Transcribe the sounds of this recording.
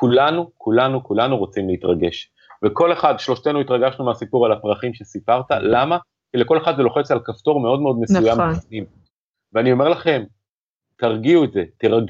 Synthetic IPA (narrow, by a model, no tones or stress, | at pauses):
kulanukʰulanukulanuʁot͡simleit̪ʁaɡe̞ʃ | veko̞le̞χad̪ʃlo̞ʃt̪e̞nuit̪ʁaɡaʃnumeasipuʁalapʁaχimʃe̞sipaʁt̪alama | kileko̞le̞χad̪zelo̞χet͡salkaft̪o̞ʁme̞o̞dmeo̞d̪mesujamifnim | veanio̞me̞ʁlaχe̞m | t̪aʁɡiuetze̞t̪iʁaɡ